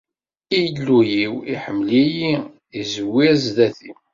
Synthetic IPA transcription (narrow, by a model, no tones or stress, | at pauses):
ijlːujiwḭħəmːliji | izəwːizðæθi